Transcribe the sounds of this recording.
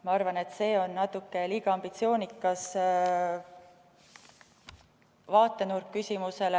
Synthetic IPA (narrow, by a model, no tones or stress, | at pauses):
mɑɑrvɑne̞t̪ːse̞ːo̞nːɑt̪ːˑukːˑe̞liɡ̥ɑɑmbit̪sio̞ːnikːˑɑs | vɑːt̪ˑːe̞nurkːysʲimuse̞le